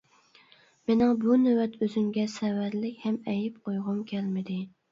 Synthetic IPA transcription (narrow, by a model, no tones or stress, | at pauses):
mɪnɪŋbunewɛt̪ʰøzyŋɡʲɛsɛwæɾlɪkʲhɛmɛjip̚qʰojʁʊmkʲʰɛlmɪd̪ɪ